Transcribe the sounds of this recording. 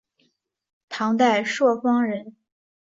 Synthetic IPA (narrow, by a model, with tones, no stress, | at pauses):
t̪ʰɑ˧˥ŋt̪̬a˥˧ɪʂwɔ˥˩fɑ˥ŋɻə˧˥n